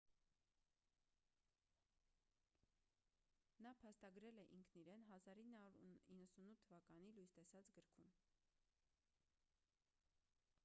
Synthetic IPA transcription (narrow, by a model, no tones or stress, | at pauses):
nɑpʰɑst̪ɑɡɾɛlɛʔiŋkʰniɾɛnɦɑzɑɾinːɑɾinːəsunut̪ʰːəvɑkɑnilujst̪ɛsɑt͡sɡəɾkʰun